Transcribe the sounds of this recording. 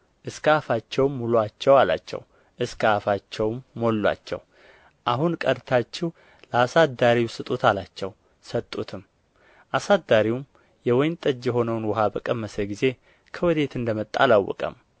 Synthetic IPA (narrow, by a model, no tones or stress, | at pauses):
ʔɨskʰafat͡ʃːɛwmːulwat͡ʃːɛwala̰t͡ʃːɛ̰w | ʔɨskʰəafat͡ʃːɛwmːo̞lːa̰t͡ʃːɛ̰w | ʔaɦunkʼəd̪t̪ʰat͡ʃːɛw | ləasad̪aɾiwsɨt̪ʼut̪ʰalat͡ʃːɛw | sət̪ʼːut̪ʰɨm | ʔasad̪ːaɾiwum | jɛwɔjnt̪ʼəd͡ʒːjɛɦo̞nəwnwɔɦabəkʼəmːəsəɡize̞ | kʰəwɔd̪e̞t̪ɨnd̪əmət̪ʼːa̰lawːɔ̰kʼə̰m